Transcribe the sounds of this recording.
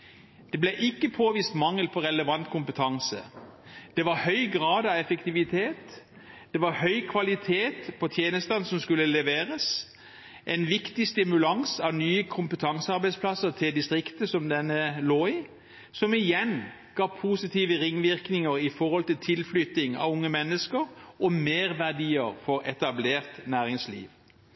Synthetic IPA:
d̪̥ɛblɛʔɪkːəpʰoːʋiːst̪mɑŋːəlpʰɔʁɛləʋɑnt̪kʰʊmpət̪ʰɑŋsə̰d̪̥ɛʋɑʁhœʏɡʁɑːd̪ɑʋɛfəkt̪ɪʋɪt̪ʰeːt̪ | d̪̥ɛʋɑʁhœʏkʰʋɑlɪt̪ʰeːt̪pʰɔt̪ʰjeːnəst̪ɑnsɔmskʉlːəlɛʋeːʁəs | ʔɛnʋɪkt̪ɪst̪ɪmʉlɑŋsɑʋnyːəkʰʊmpət̪ʰɑŋsəɑɾbæɪspʰlɑsːəʁt̪ʰɪld̪ɪst̪ʁɪkt̪əsɔmd̪ɛnːəloːɪ | sɔmɪjɛn | ɡ̥ɑːpʰuːsɪt̪ʰiːʋəʁɪŋːʋɪʁknɪŋəɾɪfɔʁhɔlt̪ɪlt̪ʰɪlflʏt̪ɪŋɑ̰ʋʊŋːəmɛnːəskəʁɔmeːʁʋæʁd̪iːəʁfɔʁɛt̪ɑbleːʁt̪næːʁɪŋslḭːʋ

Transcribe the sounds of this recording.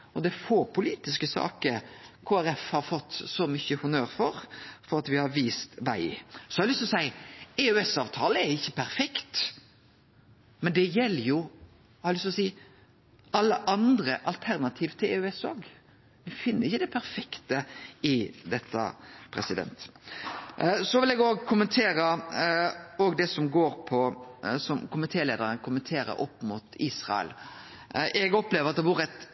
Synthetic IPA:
ɔd̪ɛfoːɾpʰʊliːt̪ɪskəsɑ̰ːkəɾkʰoːæɾɛfhɑɾfɔt̪ːsɔmʏçəhʊnøːɾfɔɾfɔɾɑt̪ʋɪhɑɾʋiːst̪ʋæɪsɔhɑɾlʏst̪ɔsæɪɛʉɛsɑːʋt̪ʰɑːləɛɾɪçːəpʰæɾfɛkt̪ | mɛnd̪ɛjɛlːəɾjʊ | hɑɾlʏst̪ɔsiː | ɑlːəʔɑnd̪ɾəʔɑlt̪ʰæɾnɑt̪ʰiːʋt̪ʰɪlɛʉɛsoːɡ | ʋɛfɪnːəɾɪçːəd̪ɛpʰæɾfɛkt̪əɪd̪ɛt̪ʰːə̰pʰɾɛ̰sɪd̪ɛ̰nt̪ | sɔʋɪlɛɡoːɡkʰʊmənt̪ʰeːɾə | oːɡd̪ɛsɔmɡoːɾpʰɔsɔmkʰʊmɪt̪ʰeːleːd̪əɾənkʰʊmənt̪ʰeːɾə̰ɾʔɔpːmʊːt̪iːsʁɑ̰ɛ̰l | ʔɛɡɔpːleːʋəɾɑt̪̚d̪ɛʋʊɾəɛt̪

